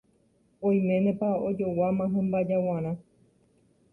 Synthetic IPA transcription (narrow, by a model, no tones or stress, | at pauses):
õj̃mẽnẽpaod͡ʒo̞wamãɦẽmbad͡ʒawãɾ̃ã